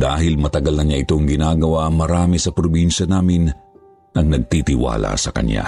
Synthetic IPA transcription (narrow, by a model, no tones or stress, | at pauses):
d̪̥aːhɪlmɐt̪ɐɡɐlnɐɲaʔɪt̪o̞ŋɡɪnaːɡɐwamɐɾaːmɛsɐpɾobinʃɐnaːmɪn | ʔɐŋnɐɡ̚t̪it̪ɪwa̰ːla̰sɐkɐ̰ɲja̰